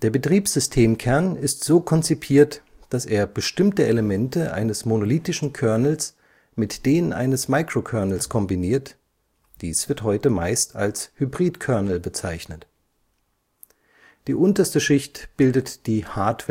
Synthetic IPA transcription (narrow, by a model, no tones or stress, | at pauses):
d̥eːɐbətʁ̥iːpz̥ʏstʰeːmkʰɛɐnɪstz̥oːkʰɔnt͡sipʰiːɐt | d̥aseːɐbəʃtɪmtəʔeləmɛntəʔa̰ɪnəsmonoliːtɪʃn̩kʰœɐnl̩s | mɪtd̥eːnənʔa̰ɪnəsmaɪkʁ̥okʰœɐnl̩skʰɔmbiniːɐt | d̥iːsv̥ɪɐthɔʏtəmaɪstʰa̰lshybʁiːtkʰœɐnl̩bət͡saɪçnət | d̥iːʔʊntɐstəʃɪçtb̥ɪldətd̥iːhaɐtv̥ɛ